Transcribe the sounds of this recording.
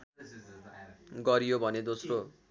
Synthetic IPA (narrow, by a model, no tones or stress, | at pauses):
ɡʌɾijobʱʌned̪osro